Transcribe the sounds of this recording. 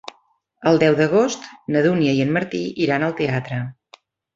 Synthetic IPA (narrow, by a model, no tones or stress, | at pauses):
əlˠd̪ɛwðəɣ̞ost̪nəðunjəiənməɾt̪iʔiɾanəlˠt̪eat̪ɾə